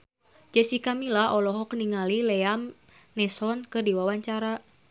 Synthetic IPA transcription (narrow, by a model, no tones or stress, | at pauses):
d͡ʒəsikamilaɦɔlɔɦɔkniŋalilɛam | nɛsɔnkɨrdiwawaɲt͡ʃaɾa